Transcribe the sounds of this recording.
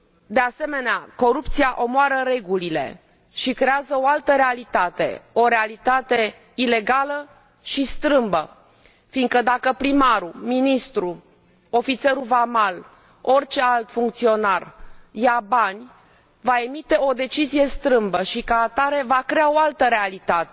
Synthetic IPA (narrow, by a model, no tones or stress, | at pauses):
d̪e̞ase̞me̞neako̞ɾupt̪sijaʔo̞moaɾəɾe̞ɡulile̞̰ | ʃikɾe̞azəo̞alt̪əɾe̞alit̪at̪e̞̰o̞ɾe̞alit̪at̪e̞ | ile̞ɡalə | ʃist̪ɾɨmbə | fiŋkəd̪akəpɾimaɾuminist̪ɾu | o̞fit̪se̞ɾuvamal | o̞rt͡ʃe̞alt̪fuŋkt̪sio̞narjabanʲ | vae̞mit̪e̞o̞d̪e̞t͡ʃizije̞st̪ɾɨmbəʃikaːt̪aɾe̞vakɾe̞ao̞alt̪əɾe̞alit̪at̪e